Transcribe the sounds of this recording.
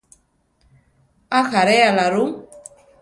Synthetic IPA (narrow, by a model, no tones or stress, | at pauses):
axaɾɛalaɾu